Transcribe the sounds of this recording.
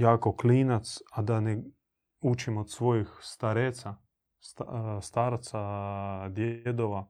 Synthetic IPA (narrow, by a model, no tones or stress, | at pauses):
jaːkokliːnat̪sad̪ane | ut͡ʃimot̪sʋojixst̪aɾeːt̪sa | st̪st̪aːɾt̪sad̪jed̪oʋa